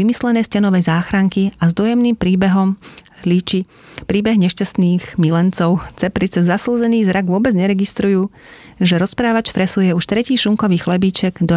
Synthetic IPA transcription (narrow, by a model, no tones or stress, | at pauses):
imislɛnɛːscɛnɔʋɛjzaːxɾaŋkiazd̪ɔjɛmniːmpɾiːbɛɦɔm | lit͡ʃi | pɾiːbɛɦɲɛʃcast̪niːɣmilɛnt͡sɔʊt͡sɛpɾit͡sɛzasl̩zɛniːzɾaɡʋʊɔbɛd͡zɲɛɾɛɡist̪ɾujuː | ʒɛɾɔspɾaːʋat͡ʃfɾɛsujɛuʃt̪ɾɛciːʃuŋkɔʋiːxlɛbiːt͡ʃɛɡd̪ɔ